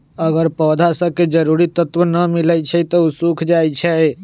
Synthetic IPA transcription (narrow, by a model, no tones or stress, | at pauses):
əɡəɾpɔd̪ʱasəbked͡ʒəɾuɾit̪ət̪wənəmilət͡ʃʰɛt̪ɔusukʰd͡ʒajt͡ʃʰɛ